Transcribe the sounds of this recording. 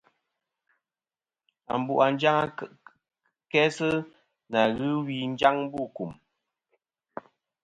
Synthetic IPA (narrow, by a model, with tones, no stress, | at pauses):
a̰˨m̩˨bṵ˦˨ʔa˨n˦d͡ʒa˦ŋa˦ | kɛ˦sɨ˦ | na˨ɣɨ˦wi˨n̩˦d͡ʒa˦ŋm˦bu˦˨ku˨m